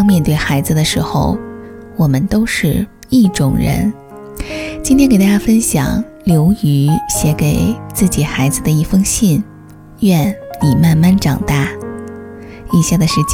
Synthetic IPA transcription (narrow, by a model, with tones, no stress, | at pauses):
ŋmjɛ˥˧nt̪we˥˩ɪxa˧˥ɪd͡zɹ̩˧d̪ə˩ʂɻ̩˧˥xo̰˧ʊ | wɔ˨˩mə˦nt̪o˥ʊʂɻ̩˥˧ | i˥˩ʈ͡ʂʊ˨˩ŋɻə̰˧˥n | t͡ɕi˥nt̪ʰjɛ˥nke˨˩ɪt̪a˥˩ja˥fə˥nɕjɑ̰˨˩˦ŋ | ljo˧˥ʊy˧˥ɕjɛ˧˥ke˨˩ɪt͡sɹ̩˥˩t͡ɕi˨˩xa˧˥ɪd͡zɹ̩˧d̪ə˩i˥˩fɤ˥ŋɕi˥˩n | ɥɛ˥˩nni˨˩ma˥˧nma˥˩nʈ͡ʂɑ˨˩ŋt̪a˥˩ | i˨˩ɕja˥˩d̪ə˩ʂɻ̩˥˩t͡ɕ